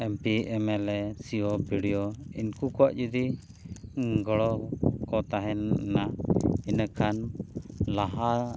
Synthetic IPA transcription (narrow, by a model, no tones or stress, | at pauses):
ɛmpiɛmɛlɛsiɔbiɽijɔḭnkukɔwa̰ʔd͡ʒud̪i | ɡɔɽɔkɔt̪aɦɛnːainəkan | laɦa